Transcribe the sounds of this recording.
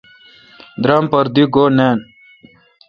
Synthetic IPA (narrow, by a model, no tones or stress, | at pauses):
d̪ɾampɐɾd̪iɡoːneːn